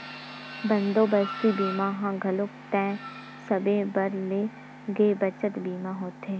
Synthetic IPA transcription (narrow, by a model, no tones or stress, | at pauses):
bə̃nd̪oːbəst̪ibiːmãɦãɡʱəlʊk̚t̪ɛ̃ː | səbẽbəɾle | ɡeːbət͡ʃət̪biːmaɦoːt̪ɦeː